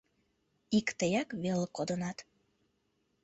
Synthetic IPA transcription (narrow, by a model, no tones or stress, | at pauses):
ikt̪əjɑkβelkod̪ənɑt̪